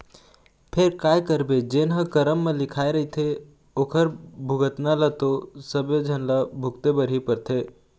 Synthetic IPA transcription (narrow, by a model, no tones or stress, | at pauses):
pʰeɾkaːjkəɾbed͡ʒeːnɦə̃kəɾəmːẽlɪkʰaːeɾɐɦit̪ʰe | oːkʰəɾbʱʊɡət̪nalət̪osəbed͡ʒʱənlabʱʊkt̪ebəɾɦipəɾt̪ʰeː